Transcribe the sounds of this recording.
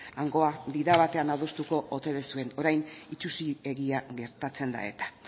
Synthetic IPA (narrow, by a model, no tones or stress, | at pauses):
aŋɡo̞abiðaβat̪e̞anaðost̪uko̞ʔot̪e̞ðesue̞noɾajnit͡ʃusie̞ɣiaɣe̞ɾt̪at͡se̞nd̪a̰e̞̰t̪ḁ